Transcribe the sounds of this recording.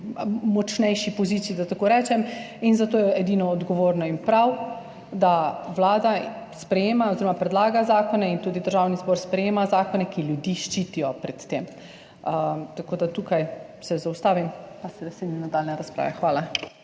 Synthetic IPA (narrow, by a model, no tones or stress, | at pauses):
mɔt͡ʃnɛjʃipɔziːt̪siːd̪at̪akoɾɛːt͡ʃɛm | inzat̪oːjɛɛd̪iːnɔːd̪ɡɔʋoːɾnɔinpɾaw | d̪awlaːd̪a | spɾɛjeːmaɔziːɾɔmapɾɛd̪laːɡazaːkɔnɛint̪uːd̪id̪əɾʒaːwnizbɔːɾspɾɛjeːmazaːkɔnɛkiljud̪iʃt͡ʃiːt̪ijɔpɾɛt̪ːem | ət̪akoːd̪at̪uːkajsɛzaʊst̪aːʋimpasɛdɛsed̪inad̪aːlnɛɾaspɾa̰ːʋɛxʋaːla